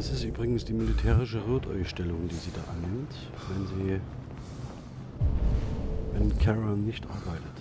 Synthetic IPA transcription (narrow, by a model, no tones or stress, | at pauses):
ɛsɪstʔyːbʁɪɡŋ̩sd̥iːmɪlitʰɛːʁɪʃ̬əʁoːtʰɔ̰ʏʃtɛlʊŋd̥iːziːda̰ːʔanːɪmt | vɛnziː | ɪnkʰɛʁanːɪçtʔa̰ɐbaɪtət